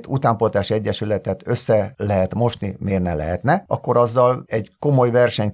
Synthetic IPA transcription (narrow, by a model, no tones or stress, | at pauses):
t̪ut̪aːmpot̪aːʃiɛɟːɛʃylɛt̪ɛt̪ø̞sːɛlɛɦɛt̪mo̞ʃnimeːrnɛ̰lɛ̰ɦɛt̪nɛɒkːo̞ɾɒzːɒlɛɟko̞mo̞jvɛrʃɛɲ